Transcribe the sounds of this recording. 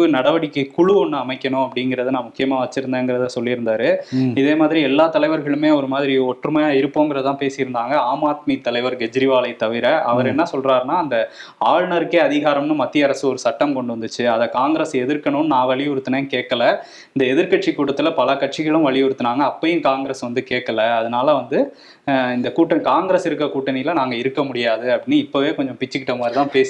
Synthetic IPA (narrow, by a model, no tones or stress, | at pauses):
ɯnɐɽɐʋɐɽɪkːɯkʊɻʊɔɳːɯɐmɐɪkʲːɐɳʊ̃ɐpːɐɽɪŋɡɪɾɐðɯnãːmʊkːɪjɐmaːʋɐt͡ʃːɪɾɯnd̪ẽːŋɡɪɾɐðɯsɔlːɪɪɾɯnd̪aːɾɯɪðeːmaːðɪɾiɛlːaːt̪ɐlɐɪʋɐɾɣɐɭɯmeːɔɾɯmaːðɪɾiɔʈrɯmɐjaːɪɾɯpːoːŋɡɪɾɐðt̪ãːpeːsɪjɪɾɯnd̪aːŋɡɐaːmaːt̪̚mit̪ɐlɐɪʋɐɾɡɛd͡ʒɪɾɪʋaːlɐɪt̪ɐʋɪɾɐʔɐʋɐɾɛnːɐsɔlraːɾnaːɐnd̪ɐaːɻɳɐɾkːeːɐðɪɣaːɾɐmnɯmɐt̪ːɪjɐɾɐsɯɔɾɯsɐʈːɐmkɔɳɖɯʋɐnd̪ɯt͡ʃːɯɐðɐkaːŋɡɪɾɐsɛðɪɾkːɐɳʊnnãːʋɐɭɪjɔɾɯt̪ːɯneːkeːʈkːɐlɐ | ɪnd̪ɐɛðɪɾkɐʈ̚t͡ʃikuːɽɐt̪ːɪlɐpɐlɐkɐʈ̚t͡ʃɪɣɐɭɯ̃mʋɐɭɪjɔɾɯt̪ːɯnaːŋɡɐːpːɐjɪ̃kaːŋɡɾesʋɐnd̪ɯkeːʈkːɐlɐːðɐnaːlɐʋɐnd̪ɯ | ɪnd̪ɐkuːʈːɐnkaːŋɡɾesɪɾɯkːɾɐkuːʈːɐnɪjɪlɐnaːŋɡɐɪɾɯkːɐmʊɽɪjaːðɯɐpːɽɪnːɯɪpːɐʋeːkɔɲd͡ʒɔ̃pɪt͡ʃːɪkːɪʈːɐmaːɾt̪ãːpeːsi